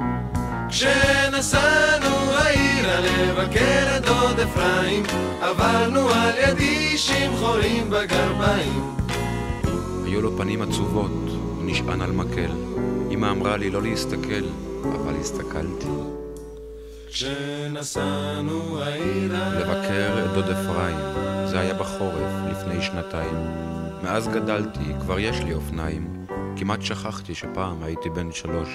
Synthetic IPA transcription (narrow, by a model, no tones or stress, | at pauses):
kʃenasanuhaiɾalevakeɾet̪od̪eflaim | avaʁnualjad̪iʃimχo̞ɾimbaɡaʁbaim | hajulopanimat͡suvo̞t̪ | niʃʔa̰nalmakʰḛlʔimaːmʁalilo̞leist̪akʰela̰valhist̪akʰaltʰi | n | le̞vakʰe̞ʁetdodefʁaimzehajabaχo̞ʁe̞flifne̞jʃnataimː | eazɡadaltʰikvaʁjeʃliofnaim | kimat̪ʃaχaχt̪iʃepaːmajit̪ibe̞nʃalo̞ʃ